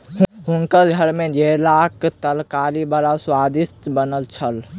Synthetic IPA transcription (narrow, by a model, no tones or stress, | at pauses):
ɦuŋkəlɡʱəɾmed͡ʒelakt̪əlkalibəɾaswad̪ist̪bənəlt͡ʃʰəl